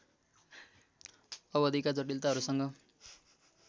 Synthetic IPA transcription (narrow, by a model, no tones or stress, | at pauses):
ʌbʌd̪ʱikad͡zʌʈilt̪aɦʌɾusʌŋɡʌ